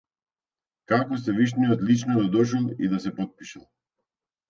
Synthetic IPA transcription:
kakɔst̪ɛviʃniɔt̪lit͡ʃnɔd̪ad̪ɔʃ̬ulˠḭd̪asɛpɔt̪̚pi̥ʃalˠ

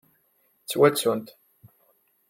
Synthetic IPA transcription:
t͡sːwæt͡sːunt̪

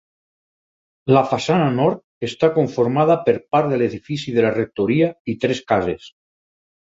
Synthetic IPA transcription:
lafasananɔɾt̪̚ | est̪akoɱfoɾmað̞apeɾpaɾðeleðifisiðelarek̚t̪oɾiait̪ɾeskazḛs

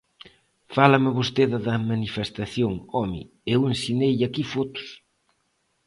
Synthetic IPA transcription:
falɐmɪβost̪eðɐðɐmanifest̪aθjoŋɔmḭ | ewensinejakifot̪ʊ̥s

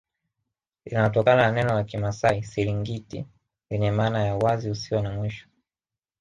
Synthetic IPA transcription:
inajɔtɔkanananɛnɔlakimasaisiliŋɡitḭ | iɲɛmaːnajawaziusiwanamwiʃɔ̥

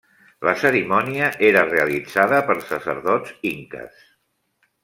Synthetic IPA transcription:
ləsəɾimɔniəʔeɾəreəlidd͡zaðəpəɾsəsə̰ɾðɔd͡ziŋkə̰s

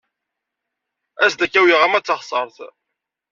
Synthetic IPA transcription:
æsd̪ækːæwiʁamæt͡sːɑχsˤəɾˤθ

